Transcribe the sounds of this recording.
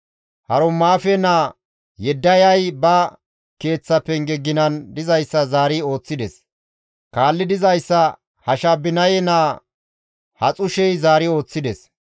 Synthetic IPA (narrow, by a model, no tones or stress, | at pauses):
hɐɾɔmːaːfɛnaː | jɛd̪ːɐjɐjbɐ | ke̞ːt͡sːɐpːɛŋɡɛɡːɪnɐnd̪ɪzɐjsːɐzaːɾɪo̞ːt͡sːɪd̪ɛs | kaːlːɪd̪ɪzɐjsːɐ | hɐʃabːɪnɐjɛnaː | hɐt͡sʼʊʃɛjzaːɾɪo̞ːt͡sːɪd̪ɛs